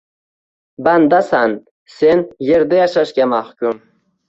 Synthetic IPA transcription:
bænd̪asan | senjeɾd̪ejɑʃɑʃkʲamahkʲum

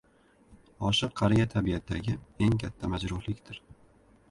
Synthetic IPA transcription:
ɒʃɨqʰːɑɾijat̪ʰabijat̪d̪a̰ɡʲɪe̞ŋkʲʰat̪ʰːamad͡ʒɾʊɾlɪkʲt̪ɪɾ

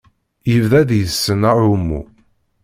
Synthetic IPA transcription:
jəvðæðjəsːənaumːṵ

